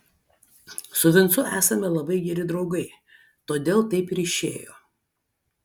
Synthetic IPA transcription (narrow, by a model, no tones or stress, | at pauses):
sʊʋʲɪnt̪sʊʔæːsɐmʲɛlˠɐbɐɪɡʲɛɾʲɪd̪ɾɒʊɡɐɪ | t̪oːd̪ʲeːlˠt̪ɐɪpɪɾɪʃʲeːjo̰ː